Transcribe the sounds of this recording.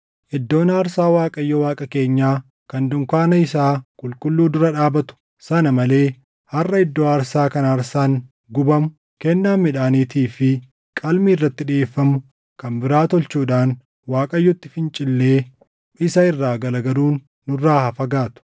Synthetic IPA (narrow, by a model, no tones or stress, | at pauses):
ʔɪd̪ːo̞ːnɐːɾsaːwaːkʼɐjːɔwaːkʼɐke̞ːɲːaː | kɐnd̪ʊŋkaːnɐɪsaːkʼʊlkʼʊlːuːd̪ʊɾɐᶑaːbɐt̪ʊ̥ | sɐnɐmɐle̞ː | hɐrːɐɪd̪ːo̞ːɐɾsaːkɐnɐɐɾsaːŋ | ɡʊbɐmʊ | kɛnːaːmːɪᶑaːniːt̪iːfɪ | kʼɐlmiːɪrːɐt̪ːɪᶑɪeːfːɐmʊ | kɐnbɪɾaːt̪ɔlt͡ʃuːᶑaːŋ | waːkʼɐjːɔt̪ːɪfɪnt͡ʃʼɪlːe̞ː | ɪsɐɪrːaːɡɐlɐɡɐɾuːnː | ʊrːaːhɐfɐɡaːt̪ʊ̥